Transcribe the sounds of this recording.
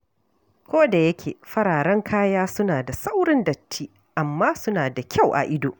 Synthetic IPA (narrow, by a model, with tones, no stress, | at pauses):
kʷoː˦da˨jɐ˦kʲḛː˨ɸɐ˦ɽaː˨ɽɐ˦ŋkʰaː˦jaː˦sʊ˦naː˨da˨sa˦wɽɪ˦ndɐ˨tːiː˦ | ʔa˨mːaː˦sʊ˦naː˨da˨kʲʰa˦˨wʔa̰˨ʔɪ˦do̰ː˨ʔ